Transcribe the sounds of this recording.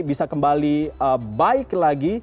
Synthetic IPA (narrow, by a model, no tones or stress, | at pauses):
bisakəmbaliəbaɪklaɡi